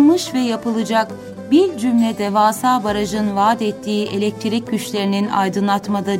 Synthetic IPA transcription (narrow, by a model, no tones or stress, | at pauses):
mɯʃvɛjapʰɯlˠɯd͡ʒak | biɾd͡ʒymlʲɛd̪ɛvaːsaːbaɾaʒɯnvaːd̪ɛt̪ʰːiːʔe̞lʲɛc̚t̪ʰiɾicːyt͡ʃlʲe̞ɾinina̰jd̪ɯnlˠat̪mad̪a